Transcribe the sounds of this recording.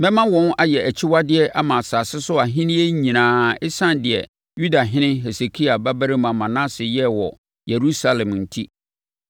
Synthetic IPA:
mɛ̃˦mã˦wɔ̃˨˦na˦jɛ˨æ˨t͡ɕʰi˦wa˦dɪ˦ɛ˦ʔa˦mã˨saː˨sɪ˦sʊ˦a˨ɦɪ̃˦nɪ̃˦e˦ɲĩ˨nãː˨ɪ˦sã˦ndɪ˨ɛ̰˨ | ju˦da˨ɦɪ̃˦nɪ̃˦ɦe˨se˨kʰi˦a˨ba˦bæ˦ɾɪ˦mã˨mã˨nã˦sɪ˨jɛ˦wɔ̰˨ | je˨ɾu˦sa˦lɛ̃˨mn̩˨tʰi˦

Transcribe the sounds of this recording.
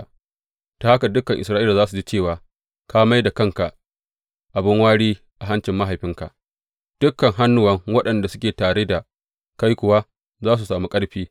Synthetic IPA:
ta˨ha˦ka˨dʊ˦kːɐ˨ŋʔɪ̰˨sɾa˦ʔi˦la˨zaː˦su˨d͡ʒi˦t͡ʃeː˦˨waː˨ | ka˦ma˦jda˨kɐ˦ŋka˨ʔ | ʔa˨bɪ˦ŋwaː˦ɽiː˦ | ʔa˨ɦa˦nt͡ʃɪ˨mːa˦ɦa˨jɸɪ˦ŋka˨ʔ | d̥ʊ˦kːɐ˨ŋɦa˦nːʊ˦wɐ˦ŋwɐ˦ɗɐ˨nda˨sʊ˦kʲeː˨taː˨ɾe˦da˨ | ka˦jkʷʊ˨wa˦ | zaː˦s̬u˨saː˨mu˦kʼɐ˦ɽɸiː˦

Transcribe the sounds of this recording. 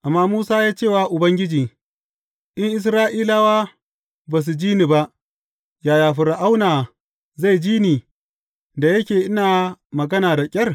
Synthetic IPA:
ʔa˨mːaː˦muː˦saː˦jaː˦t͡ʃe˦˨waː˦ʔʊ˨bɐ˦ŋɡʲɪ˦d͡ʒiː˨ | ʔɪ˦ŋʔɪ˦s̬ɾaː˦ʔiː˦la˦waː˦ | baː˨s̬u˨d͡ʒiː˦ni˨ba˦ʔ | jaː˨jaː˨ɸɪ˨ɾa˨ʔa˦wnaː˨ | za˦˨jd͡ʒiː˦niː˨ | da˨jɐ˦kʲeː˨ʔɪ˦naː˨mɐ˨ɡɐ˦naː˨da˨kʲʼɐ˦r

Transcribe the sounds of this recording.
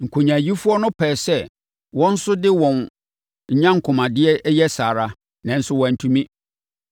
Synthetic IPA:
ŋ̩˨kʰo˨ɲã˨ji˦fʊ˦ɔ˦nʊ̃˦pʰɛː˨sɛ˦˨ | wɔ̃˦n̩˦sʊ˦dɪ˦wɔ̃˨n | ɲ̩˦ɲã˦ŋ̩˨kʰʊ̃˨mã˨dɪ˦ɛ˦ʔjɛ˦saː˨ɾa˦ | nã˨n̩˦sʊ˦wɔ̃˨n̩˨tʰũ˦mĩ˦

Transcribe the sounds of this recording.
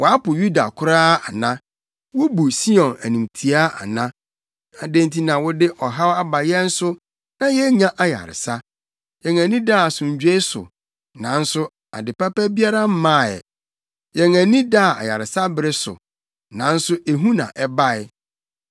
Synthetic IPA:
wɔ˨a˦pʊ˨ju˦da̰˨kʰʊ˦ɾaː˦a˨nã˦ | wʊ˦bu˨si˦ɔ̃˨næ˨nĩ˨mtʰi˨a˦a̰˨nã˦ | a˨dẽ˦n˦tʰi˦nã˨wʊ˦dɪ˦ʔɔ˨ɦa˦wa˦ba˨jɛ̃˦n̩˦sʊ˦ | nã˦jɛ˦ɲã˦ʔa˦ja̰˨ɾɪ̰˨sa˦ | jɛ̃˨ŋæ̃˨nĩ˦da˦˨sʊ̃˨ɲ˨d͡ʑᶣe˦ɪ˦sʊ̰˨ | nã˨n̩˦sʊ˦ | a̰˨dɪ˨pa˦pɛ˦bi˦a˦ɾa˦m̩˦mã˦˨ɛ̰˨ | jɛ˨ŋæ˨nĩ˦da˦˨a̰˨ja̰˨ɾɪ˨sa˦bɪ˦ɾɪ˦sʊ̰˨ | nã˨˦n̩˦sʊ˦e˨ɦũ˦nã̰˨ʔɛ˦ba˦ɪ˨

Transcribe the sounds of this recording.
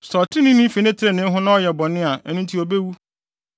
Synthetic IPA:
sɔ˨tʰɪ̃˦nɪ̃˦nĩ˦fe˨nẽ˦tʰɪ˦ɾe˨nɪ̃˦ɦʊ̃˦nã˦ɔ˦jɛ˨bɔ̃˨nːɪ̃˦a˨ɛ˨nũ˦n̩˦tʰi˦o˨be˦wu˦

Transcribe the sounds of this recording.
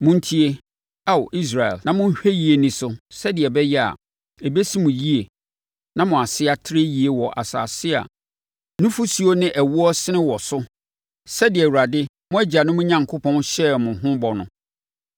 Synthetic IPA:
mʊ̃˦n̩˦tʰi˦e˦ | a˦wʔi˦s̬ɾa˨ɛ̰˨lnã˨mʊ̃˦ɕᶣe˦ji˦e˨nĩ˨sʊ˨sɛ˦dɪ˨ɛ˨bɛ˦jɛ˦a̰˨ | e˨be˦si˦mʊ̃˨ji˦e˨ | nã˦mʊ̃˨a˨sɪ˦a˦tʰɪ˦ɾe˦ji˦e˨wɔ˨ʔa̰˨sa̰ː˨sɪ˦a̰˨ | nʊ̃˦fu˦si˨o˦nɪ̃˦ʔæ˨wu˦ɔ˦sɪ˦nɪ̃˦wɔ˨sʊ˦ | sɛ˦dɪ˨ɛ˨wu˨a˨dɪ˦ | mʊ̃˦æ˦d͡ʑa˨nʊ̃˦mʊ̃˦ɲã˨ŋkʰʊ˦pʰɔ̃˦nɕɛ˦mʊ̃˨ɦʊ̃˦bɔ˨nʊ̃˦

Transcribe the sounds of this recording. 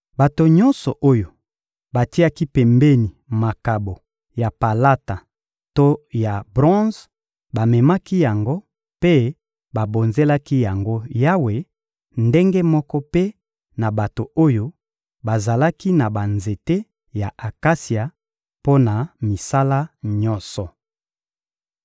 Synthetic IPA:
ba˨to˨ɲɔ̃˦nsɔ˨ʔo˦jo˨ | ba˨ti˦a˦ki˦pɛ˨mbe˦ni˨ma˨ka˨bo˨ | ja˨pa˨la˦ta˨ | to˦ja˨bʁɔ̃˦z | ba˨mɛ˨ma˦ki˦ja˨ŋɡo˦ | pe˦ | ba˨bo˨nze˦la˦ki˦ja˨ŋɡo˦ja˦we˨ | nde˦ŋɡe˦mɔ˦kɔ˦pe˦ | na˨ba˨to˨o˦jo˦ | ba˨za˨la˦ki˦na˨ba˨nze˨te˦ | ja˨ʔa˨ka˦si˨a˨ | po˦na˨mi˨sa˦la˦ɲɔ̃˦sɔ˨

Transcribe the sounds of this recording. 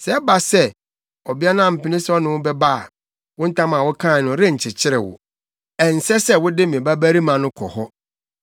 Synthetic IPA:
sɛ˨˦ba˨sɛ˦ | ɔ˨bi˦a˦nã˦m̩˨pʰɪ̃˨˦nɪ̃˦sɔ˦nɪ̃˨wʊ˦bɛ˦ba˦a˨ | wʊ̃˦n̩˦tʰã˦mã˨wʊ˦kʰã˦˨nʊ̃˨ɾɪ˦ɲ̩˨t͡ɕʰɪ˨t͡ɕʰɪ˦ɾɪ̰˨wʊ̰˨ | ɛ˨n̩˨sɛ˦sɛ˦wʊ˦dɪ˦mĩ˨ba˦bæ˦ɾi˦mã˨nʊ̃˦kʰɔ̰˨hɔ˦

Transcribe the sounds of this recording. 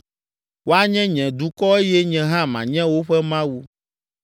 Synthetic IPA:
wo˦a˦ɲɛ̃˦ɲɛ̃˨d̪u˨˦kɔ˦e˦jɛ˦ɲɛ̃˨ɦã˦mã˨ɲɛ̃˦wo˦ɸɛ˦mã˦wu˦

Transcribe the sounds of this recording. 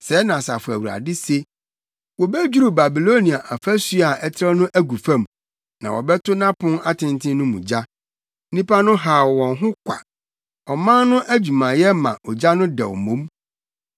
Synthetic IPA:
sɛ˨˦nã˨sa˨fʊ˨æ˨wu˨ɾa̰˨dɪ˦se˦ | wɔ˨bɛ˦d͡ʑu˦ɾu˨ba˨bi˨lo˦nĩ˨a˨ʔa˨fæ˦su˦a˨ʔɛ˦tʰɪ˦ɾɛ˦nʊ̃˦ʔæ˦ɡu˨fã˦˨m | nã˨wɔ̰˨bɛ˦tʰʊ˦nã˦pʰʊ̃˦a˦tʰɪ̃˨ntʰɪ̃˦nʊ̃˦mṵ̃˨d͡ʑa˦ | nĩ˦pʰa˦nʊ̃˦ɦa˨wɔ˨wɔ̃˨nɦʊ̃˦kʷʰa̰˨ | ɔ˨mã˦nʊ̃˦ʔæ˦d͡ʑu˨mã˨jɛ˦mã˨ʔɔ˨d͡ʑa˦nʊ̃˦dɛ̰˨wɔ̰˨mõ˨˦m

